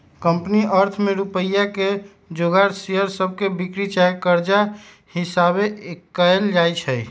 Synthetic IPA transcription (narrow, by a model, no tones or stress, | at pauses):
kəmpniʔəɾt̪ʰmeɾupəjake | d͡ʒoɡaɾsijəɾsəb̚ʱkebikɾit͡ʃaekəɾd͡ʒa | hisabekəeld͡ʒajt͡ʃʰə